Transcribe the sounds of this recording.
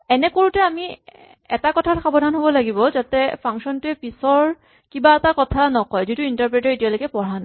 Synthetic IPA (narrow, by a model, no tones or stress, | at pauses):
ɛnɛkoɹutɛami | ɛ̰takɔtʰatxabɔdʱanɦobɔlaɡibɔzatɛpʰaŋksɔntʊɛpisɔɹ | kibaɛtakɔtʰanɔkɔjzituintaɹpɹetɔɹetijalojkɛpɔɹana